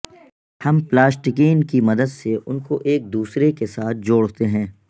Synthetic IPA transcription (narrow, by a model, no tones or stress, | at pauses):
hɐmplaːsʈɪkeːnkimɐd̪əd̪seʔʊnkoʔeːk̚d̪uːsɾekesaːt̪̚ʰd͡ʒoːɽt̪eɦɛ̃ː